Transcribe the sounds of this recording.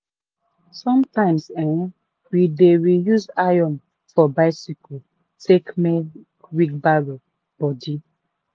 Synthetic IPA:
sɔ̃mtãɪ̃msɛ̃n | wideɹijuzajɔ̃n | fɔbaɪsiko | tʰekmɛ | ɹik̚baɹo | b̥ɔdi

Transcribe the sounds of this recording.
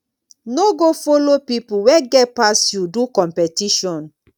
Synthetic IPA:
noɡofolopipuwɛɡɛt̚pasjudukɔ̃mpɛtiʃɔ̃n

